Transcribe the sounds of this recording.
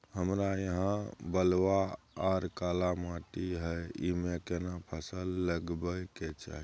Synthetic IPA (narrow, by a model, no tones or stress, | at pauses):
həmɾajəɦãbəlwaː | ɾkalamaʈiɦəjḭmekenapʰəsəlːəɡbəjket͡ʃa̰ɦi